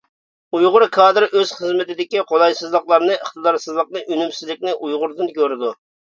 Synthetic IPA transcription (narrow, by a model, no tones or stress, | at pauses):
ujʁʊɾkʰɑːd̪ɨɾʔøz̥χəzmɪt̪ɪd̪ɪkʲiqʰod̪ɑjsɨzlˠəqlˠɑɾnɨʔəχt̪ɨd̪ɑɾsɨzlˠəq̚nɨʔynymsɪzlɪkʲnɪʔujʁʊɾd̪ɨnkʲøɾɪd̪u